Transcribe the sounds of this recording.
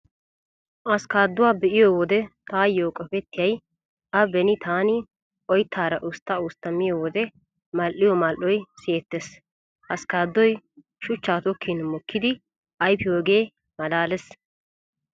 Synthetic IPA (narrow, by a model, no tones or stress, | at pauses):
ʔɐskaːd̪ːʊwaːbɛʔɪjoːwɔd̪ɛt̪aːjːoːkʼɔpɛt̪ːɪjɐj | ʔɐbɛnɪt̪aːnɪ | ʔɔjt̪ʰːaːɾɐʔʊst̪ːaːʊst̪ɐmːɪjowɔd̪ɛ | mɐlʔːɪjɔmɐlʔːɔjseːt̪ːɛs | ʔɐskaːd̪ːɔj | ʃʊt͡ʃːaːt̪ɔkʰːɪnmɔkʰːɪd̪ɪ | ʔɐjpɪjoːɡe̞ː | mɐlaːlɛs